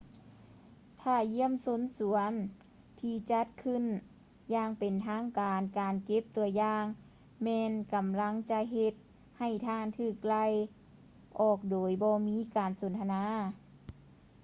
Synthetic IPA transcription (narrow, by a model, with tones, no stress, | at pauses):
t̪ʰaː˧˩ji˧˥əmso˧˥nsu˨˩˦ən | t̪ʰiː˧˩t͡ɕa˧˥t̪̚kʰɯ˧˥˨n | jaː˧ŋpe˨˩nt̪ʰaː˧˥˨ŋkaː˨nkaː˨nke˧˥p̚t̪u˨˧ɐjaː˧ŋ | mɛː˧nka˨mla˧˥˨ŋt͡ɕa˧ɦe˧t̪̚ | ha˨˩jt̪ʰaː˧˥˨nt̪ʰɯː˧˩k̚la˧˩j | ʔɔː˧˩k̚doː˨˩jbɔː˧miː˧˥˨kaː˨˩nso˨˩˦nt̪ʰa˧naː˧˥˨